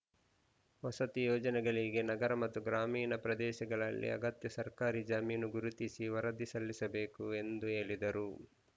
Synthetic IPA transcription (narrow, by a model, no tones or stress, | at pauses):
ʋɔsɐt̪ijoːd͡ʒɐnɛɡɐɭiɡenɐɡɐɾɐmɐt̪ːuɡɾaːmiːnɐpɾɐd̪ɛːʃɐɡɐɭɐlːḭɐ̰ɡɐt̪jɐsɐɾkaːɾid͡ʒɐmiːnuɡuɾut̪isiʋɐɾɐd̪isɐlːisɐbe̞ːkue̞nd̪ue̞ːɭid̪ɐɾu